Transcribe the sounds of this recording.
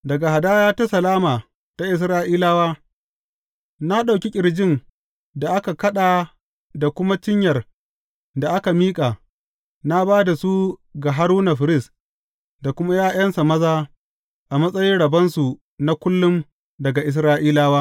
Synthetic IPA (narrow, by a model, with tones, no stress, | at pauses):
dɐ˨ɡa˨ha˨daː˦jaː˦ta˦sɐ˨laː˦maː˨ | ta˦ʔɪ˨s̬ɾaː˦ʔiː˦laː˦waː˦ | na˦ɗa˨kʲi˦kʲʼɪ˨ɽd͡ʒɪ˦˨n | da˨ʔa˦ka˨kɐ˦ɗaː˨ | da˨kʷʊ˦ma˦t͡ʃɪ˦ɲjɐ˨r | da˨ʔa˦ka˨miː˦kʼaː˨ | na˦baː˦da˨su˦ɡa˨ɦa˦ɾuː˦na˨ɸɪ˨ɾɪ˦˨s | da˨kʷʊ˦ma˦jaː˦˨j̰ɐ˦nsa˨mɐ˦zaː˦ | ʔa˨mɐ˦sʼɐ˦jɪ˦nɽɐ˨bɐ˦nsu˨ | na˦kʷʊ˦lːʊ˦m | dɐ˨ɡa˨ʔɪ˨s̬ɾaː˦ʔiː˦laː˦waː˦